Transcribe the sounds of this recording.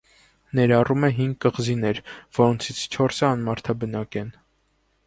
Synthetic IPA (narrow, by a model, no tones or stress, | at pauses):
nɛɾɑrumɛɦiŋɡ̚kəʁzinɛɾvɔɾɔnt͡sʰit͡sʰt͡ʃʰɔɾsəɑnmɑɾt̪ʰɑbənɑkɛn